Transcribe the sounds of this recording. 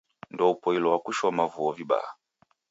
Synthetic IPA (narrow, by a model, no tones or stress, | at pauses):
ndɔupɔilɔwakuʃɔmavuɔviba̰ːa